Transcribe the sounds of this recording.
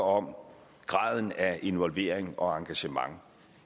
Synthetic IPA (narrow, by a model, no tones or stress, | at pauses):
ɒ̽m | ɡ̥ʁɑ̰̈ːð̞ˠn̩æʔe̝nʋɒlʋe̝̰ːɐ̰eŋɒ̽ɑ̈ŋɡ̥æɕəmɑ̈ŋ